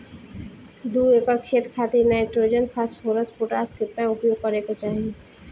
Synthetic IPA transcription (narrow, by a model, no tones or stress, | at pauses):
d̪ueːkəɾkʰeːt̪kʰaːt̪iɾnaːɪʈɾoːd͡ʒənpʰaːsʈpʰoːɾəspʊʈaːskɪt̪nãʊpjoːɡ̚kəɾekot͡ʃaːɦie